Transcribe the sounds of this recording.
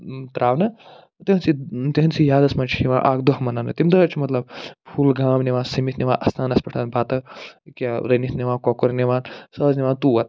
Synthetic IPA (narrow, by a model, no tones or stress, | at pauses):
t̪ɾaːʋnɐ | t̪iɦɐnsit̪iɦɐnsijaːd̪ɐsmãːt͡ʃʰi̥iʋãːʔa̰ːkd̪oɦmɐnanɐt̪imd̪ɐt͡ʃʰimɐt̪lɐb̚bʰuːlɡaːmniʋãːsɐmit̪ʰnʲiʋãːʔɐst̪ʰaːnɐspɐʈʰanbaːt̪ɐkʲaɾɐnit̪ʰniʋãːnkɔːkoɾneʋãːnsɐzniʋaːnt̪uːʋɐt̪̚